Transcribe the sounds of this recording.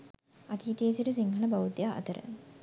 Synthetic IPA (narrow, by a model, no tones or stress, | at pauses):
ɐt̪iːt̪eeːsiʈəsiŋɦɐnəbɐʋut̪ijaʔɐ̰t̪əɾə̰